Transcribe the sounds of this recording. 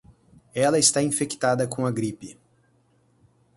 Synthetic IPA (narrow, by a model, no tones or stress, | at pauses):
ɛlɐɪst̪aĩfekt̪ad̪ɐkõɐɡɾipɪ